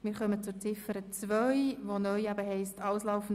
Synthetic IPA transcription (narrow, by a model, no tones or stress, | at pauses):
mɪɾχœmət͡sʊɾt͡sɪfəɾət͡svœjʋonœʏæbəɦɛɪstʰɑʊslɑʊfn̩